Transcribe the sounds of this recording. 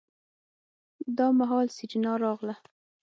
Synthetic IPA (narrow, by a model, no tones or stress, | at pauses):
d̪ɑmaɦɑlsɪd͡ʒnɑɾɑɣla